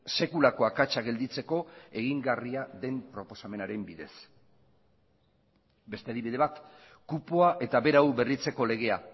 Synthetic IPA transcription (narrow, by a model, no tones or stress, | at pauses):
se̞kulako̞akat͡ʃaɣe̞ld̪it͡se̞ko̞e̞ɣiŋɡariaðe̞mpɾo̞po̞same̞naɾe̞mbiðe̞s | be̞st̪e̞aðiβiðe̞βat̪ | kupoaʔe̞t̪aβe̞ɾawβe̞rit͡se̞ko̞le̞ɣ̞e̞a